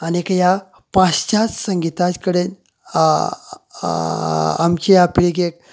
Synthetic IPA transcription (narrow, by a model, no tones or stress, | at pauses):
anekja | pãt͡st͡ɕat͡ssəŋɡit̪at͡skəɽen | a̰mt͡ɕeapiɭiɡek̚